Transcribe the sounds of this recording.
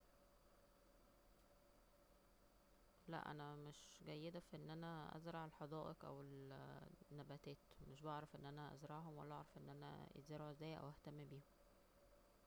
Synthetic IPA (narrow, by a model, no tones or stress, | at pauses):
læ̰ʔʔæ̰næmeʃɡæjːed̪æfiʔenːʔænæʔæ̰zɾˤɑʕelħɑd̪ɑːʔeqʔæ̰wel | nːæbæt̪æːt̪meʃbɑʕɾˤɑfʔenːʔænæʔæ̰zɾˤɑʕɦomwæ̰lːæʔɑʕɾˤɑfʔenːʔænæ̰ḛzeɾoʕzæːjʔæ̰wæht̪æmːibiːhom